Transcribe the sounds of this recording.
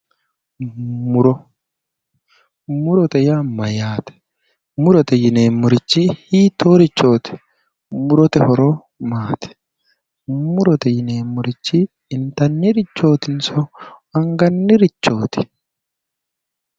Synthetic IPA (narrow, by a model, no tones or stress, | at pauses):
ʊɾɔ | mʊɾɔt̪ɛjamɐjaːt̪ɛ̥ | mʊɾɔt̪ɛjɪneːmːʊɾɪt͡ʃːihiːt̪oːɾɪt͡ʃːo̞ːt̪ɪ̥ | mʊɾɔt̪ɛhɔɾo | maːt̪ɛ̥ | mʊɾɔt̪ɛjɪneːmːʊɾɪt͡ʃːiː | nt̪ɐnːɪɾɪt͡ʃːo̞ːt̪ɪnsɔɐŋɡɐnːɪɾɪt͡ʃːo̞ːt̪ɪ̥